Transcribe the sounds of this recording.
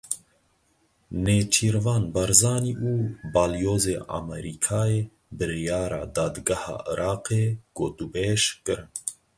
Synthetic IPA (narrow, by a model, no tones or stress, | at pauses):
neːt͡ʃʰiːɾvɑːnbaɾzɑːniːʔuːbɑːljoːzeːʔa̰mɛɾikʰɑːjeː | bɨɾijɑːɾɑ̰ːd̪ɑːd̪ɡahɑ̰ːʔɨ̰ɾʔɑːqeːɡ̥oːt̪ubeːʃkɨɾɨn